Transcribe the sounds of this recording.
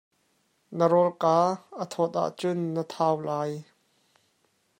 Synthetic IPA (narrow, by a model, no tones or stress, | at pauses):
nəɾɔlkaːʔət̪ʰɔt̪̚ʔa̰ʔt͡sʊnːət̪ʰaːwlaːj